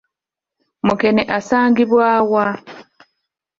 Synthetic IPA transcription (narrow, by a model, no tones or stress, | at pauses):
mukeneʔasaːŋɡiβwaːwa